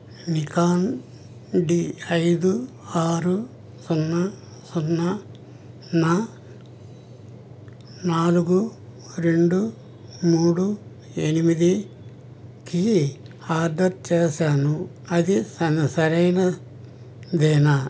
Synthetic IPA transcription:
nikaːn | ɖiɐjd̪u | aːɾu | sunːɐ | sunːɐ | nɐ | naːluɡu | ɾe̞ɳɖu | muːɽu | enimid̪i | ki | aːd̪ɐtt͡ʃeːsaːnu | ɐd̪isɐsɐɾɐjnɐ | d̪eːnɐ

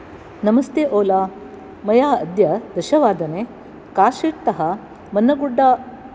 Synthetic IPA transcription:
nɐmɐst̪eːʔoːlaː | mɐjaːɐd̪jɐd̪ɐʃɐʋaːd̪ɐneː | kaːʃiːʈt̪ɐɦɐ | mɐnːɐɡuɖːaː

